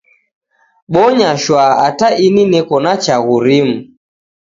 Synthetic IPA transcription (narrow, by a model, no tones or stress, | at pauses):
ɓɔɲaʃwaataʔininɛkɔnat͡ʃaɣuɾimu